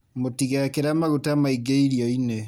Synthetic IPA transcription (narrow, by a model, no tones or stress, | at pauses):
motiɣakeɾamaɣotamaiɡeiɾiɔine